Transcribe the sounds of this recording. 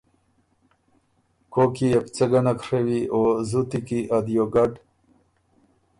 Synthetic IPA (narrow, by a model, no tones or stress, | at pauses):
koːkiept͡seɡɐnakʂewiʔozut̪ikiʔad̪joɡaɖ